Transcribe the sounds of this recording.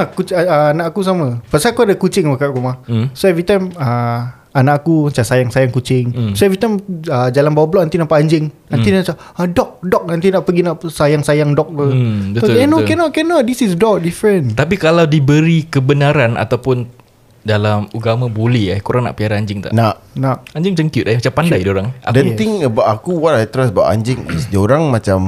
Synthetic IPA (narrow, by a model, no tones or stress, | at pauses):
nakut͡ʃəanaʔakus̬amə̃pasakuadakut͡ʃɪŋbakaʔkumahsoɛvɾit̪ajmə | anaʔakumat͡ʃasajaŋsajaŋkut͡ʃɪŋsoɛvɾit̪ajməd͡ʒalanbawabəlɔʔ̚nant̪inampaaɲd͡ʒɪŋnãnt̪inat͡ʃa | dɔk̚dɔk̚nant̪̬inaʔpəɡinaʔsajaŋsajaŋdɔk̚ləbətɛnokɛnɔt̚kɛnɔdisisdɔk̚difɾənt̪ap̬ikalawdibəɾikəbənaɾana̰t̪awpʊn | dalamuɡamãbuliakuɾaŋna̰ʔpiaɾaaɲd͡ʒɪŋt̪a̰ʔnaʔ | naʔaɲd͡ʒɪŋt͡ʃəŋkjut̪̚ahmat͡ʃampandajdoɾaŋadɛnt̪iŋbaakuwatajt̪əɾasba̰ʔa̰ɲd͡ʒɪŋḭsdoɾaŋmat͡ʃam